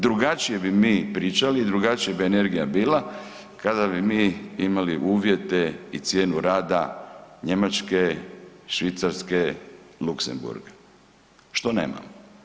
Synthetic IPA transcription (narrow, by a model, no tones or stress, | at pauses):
d̪ɾuɡat͡ʃije̞bimiːpɾit͡ʃaliːd̪ɾuɡat͡ʃijabiene̞ɾɡijabiːla | kad̪abimiːimaliʔuːʋje̞t̪e̞it̪sje̞ːnuɾaːd̪a̰ɲe̞mat͡ʃke̞ʃʋit̪saɾske̞luksḛmbṵɾɡe | ʃt̪o̞nḛːma̰mo